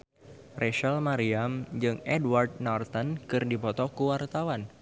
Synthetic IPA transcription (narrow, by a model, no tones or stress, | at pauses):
rʔeʃalmaɾiamd͡ʒɨŋɛdward̚nart̪ənkɨrdipɔt̪ɔkuwart̪awan